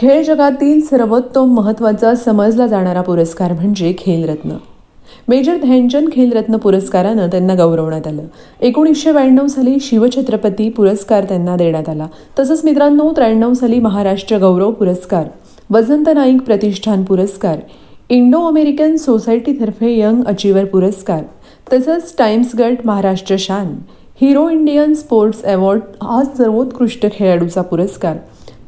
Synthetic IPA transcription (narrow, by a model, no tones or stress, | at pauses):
kʰeɭd͡ʑəɡat̪iːlsəɾʋət̪ːʋəmːəɦət̪ːʋat͡sasəməd͡zlad͡zaɽ̃aɾapuɾəskaɾm̤əɳd͡ʑekʰelɾət̪nə̰ | med͡ʑəɾd̪ʱjaɲd͡ʑənkʰelɾət̪nəpuɾəskaɾanət̪janːaɡəwɾəʋɳjat̪aləː | ekuɳ̃ikɕeʋajɳəʋsaliːɕiʋət͡ɕʰət̪ɾəpət̪iːpuɾəskaɾt̪janːad̪eɳ̃jat̪ala | t̪əsəːt͡smit̪̬ɾanːot̪ɾajɳəʋsaliːməɦaɾaʂʈɾəɡəwɾəʋpuɾəskaɾ | ʋəd͡zənt̪ənaikpɾət̪iʂʈʰanpuɾəskaɾ | iɳɖoəmeɾikənsosajʈit̪ʰəɾfejəŋɡət͡ɕiʋəɾpuɾəskaɾ | t̪əsəːt͡sʈajmsɡəɾʈməɦaɾaʂʈɾəɕan | hiɾoiɳɖijənspoɾʈseʋɔɾɖat͡ssəɾʋot̪kɾuʂʈəkʰeɭaɽut͡sapuɾəskaɾ